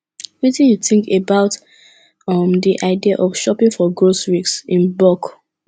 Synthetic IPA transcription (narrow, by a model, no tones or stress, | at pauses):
witĩnjuθĩŋkebaʊt | ʌmdiʔaɪdiaʔɔfʃɔpĩŋfɔɡɹosɹiksĩnbɔk